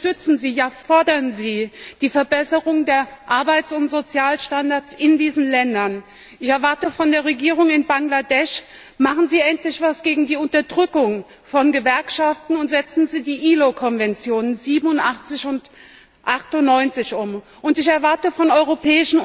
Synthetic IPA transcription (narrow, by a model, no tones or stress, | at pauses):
tʏt͡sn̩ziːjaːfɔɐdɐnziːd̥iːfɛɐbɛsəʁʊŋdeːɐʔaɐbaɪtsʊntz̥ot͡sjaːlʃtandaɐt͡sɪndiːzn̩lɛndɐn | ʔɪçɛɐvaɐtəfɔndeːɐʁ̞eɡiːʁ̞ʊŋɪnbaŋladɛʃ | maχn̩ziːʔɛntlɪçv̥asɡ̥eːɡŋ̩diːʊntɐdʁʏkʊŋ | fɔnɡəvɛɐkʃaftn̩ʊntz̥ɛt͡sn̩ziːdiːʔiːlokʰɔnvɛnt͡sjoːnənziːbm̩ʊntʔaχt͡sɪçʊnt | ʔaχtʊnːɔʏnt͡sɪçʊm | ʔʊntɪçɛɐvaɐtəfɔnɔʏʁopʰɛːɪʃn̩